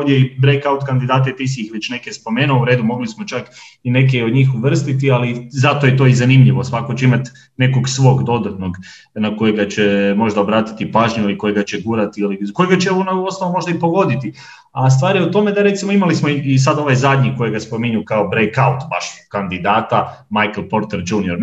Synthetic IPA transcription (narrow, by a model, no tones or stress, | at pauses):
ovd̪jeibɾejkaut̪kand̪id̪aːt̪̬et̪isiixʋet͡ɕne̞kespo̞me̞ːnuouɾe̞ːd̪umo̞ɡlismo̞t͡ʃak | ine̞k̬eo̞d̪ɲiːxuʋr̩st̪it̪ializat̪ojet̪oizanimʎiʋo̞sʋako̞t͡ɕeimat̪ | ne̞ko̞ɡsʋo̞ːɡd̪o̞d̪at̪no̞ɡ | nako̞jeɡat͡ɕe̞mo̞ʒd̪aobɾaːt̪i̥t̪ipaːʒɲuiliko̞jeɡat͡ɕeɡuːɾat̪iiliko̞jeɡat͡ɕeonauosnoʋomo̞ʒd̪aipo̞ɡo̞d̪it̪i | ast̪ʋaːɾijut̪o̞me̞d̪aɾe̞t̪simo̞imalismoiis̬ad̪o̞ʋajzad̪ɲiko̞jeɡaspo̞miɲukaobɾejkaut̪baʃkand̪id̪aːt̪a | majklpo̞ɾt̪eɾd͡ʒuːnijo̞ɾ